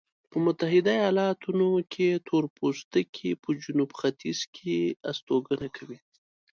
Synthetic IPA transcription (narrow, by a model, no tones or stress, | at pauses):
pəmʊt̪aɦɪd̪ajɑlɑt̪unokʰet̪ʰoɾpʰost̪əkʰepəd͡ʒʊnubxat̪ʰiz̥kʰeast̪oɡənakʰawi